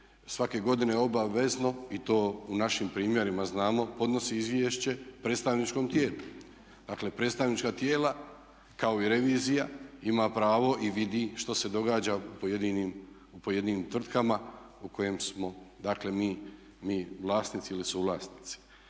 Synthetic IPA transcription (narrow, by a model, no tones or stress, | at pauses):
sʋake̞ɡo̞d̪ine̞o̞baʋe̞zno̞it̪o̞ːunaʃimpɾiːmje̞ɾimaznaːmo̞po̞d̪no̞siizʋjeʃt͡ɕe̞pɾet̪st̪aʋnit͡ʃko̞mt̪jeːlu | d̪̥akle̞pɾe̞t̪st̪aʋnit͡ʃkat̪jeːla | kao̞iɾe̞ʋiːzijaimaːpɾaːʋo̞ʔiʋid̪iʃt̪ose̞d̪o̞ɡaːd͡ʑaupojed̪inim | upo̞je̞d̪iːniːmt̪ʋr̩t̪kamauko̞je̞msmo̞d̪akle̞miː | miːʋlˠaːsnit̪siilisuʋlaːsnit̪si̥